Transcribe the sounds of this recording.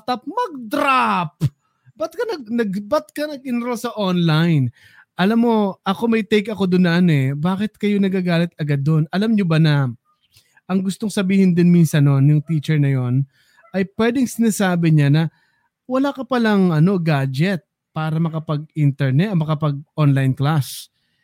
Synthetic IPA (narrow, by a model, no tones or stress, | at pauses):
t̪ɐp̚mɐɡ̚d̪ɾap̚ | bɐt̪̚kɐnɐɡ̚nɐɡ̚bɐt̪̚kɐnɐɡ̚ɪnɾosɐʔonlajn | ʔɐlamːo̞ʔɐko̞mɐjt̪ɛjkɐko̞d̪onːɐʔɐnɛbaːkɪt̪̚kɐjo̞nɐɡaːɡaːlɛt̪̚ɐɡad̪ːo̞nʔɐlamɲobɐnɐ | ʔɐŋɡʊst̪o̞ŋsɐbiːhɪnd̪ɪnminsɐnːonjʊŋt̪it͡ʃɛɹnɐjo̞n | ʔɐjpwɛːd̪ɪŋsɪnaːsaːbɪɲanɐ | wɐlaːkɐpɐlɐŋʔɐno̞ɡaːd͡ʒɛt̪̚ | paːɾɐmɐkɐpɐɡ̚int̪ɛɹnɛt̪ɐmɐkɐpɐɡ̚ʔonlajnklas